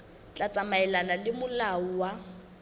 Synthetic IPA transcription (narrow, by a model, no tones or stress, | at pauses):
t͡ɬʼat͡sʼamaɛlanalɪmʊlaʊwa